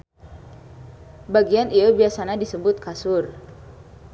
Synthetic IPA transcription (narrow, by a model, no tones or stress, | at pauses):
baɡianiabiasanadisəbʊt̪̚kasʊr